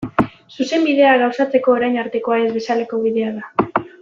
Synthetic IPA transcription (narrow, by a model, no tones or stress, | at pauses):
suse̞mbið̞e̞aɣawsat͡se̞ko̞ːɾajnaɾt̪e̞ko̞ae̞zβe̞sale̞ko̞βiðe̞aða